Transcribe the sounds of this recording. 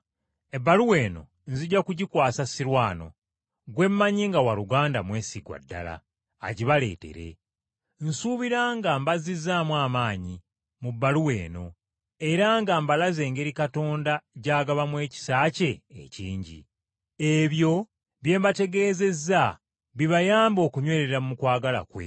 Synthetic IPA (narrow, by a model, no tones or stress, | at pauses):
e̞bːaluwe̞ːno̞̰ | nziɟːakuɟikwaːsasiɾwaːno̞̰ | ɡwe̞mːaɲiŋɡawaɾuɡaːndamwe̞ːsiɡwa̰dːa̰la̰ː | ɟiβale̞̰ːte̞̰ɾe̞̰ | n̩suːβiɾaŋɡaːmbazizamwaːmaːɲi | mubːaluwe̞̰ːno̞ | e̞ɾaŋɡaːmbalaze̞ːŋɡe̞ɾikato̞ːndaɟaːɡaβamwe̞ːci̥saːce̞̰ːciːɲɟḭ | e̞βjo̞ | βje̞ːmbate̞ɡe̞ːze̞za | βiβajaːmbo̞ːkuɲwe̞ːɾeɾamumukwaːɡala̰kwḛ